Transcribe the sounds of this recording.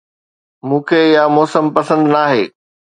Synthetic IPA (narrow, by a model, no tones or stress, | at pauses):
mũːkʰeːɪjamɔːsəmpɐsə̃nd̪naːɦḛː